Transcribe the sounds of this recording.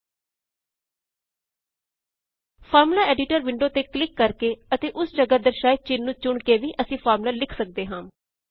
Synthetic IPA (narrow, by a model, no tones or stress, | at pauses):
pʰaːɾmlaːɛːɖɪʈəɾʋɪɳɖoːt̪eːklɪkːəɾkeːət̪eːʔʊsd͡ʒəɡaːd̪əɾʃaːj̚t͡ʃɪnːũːt͡ʃʊɳkeːʋiːʔəsĩːpʰaːɾmlaːlɪkʰsək̚d̪eːɦãː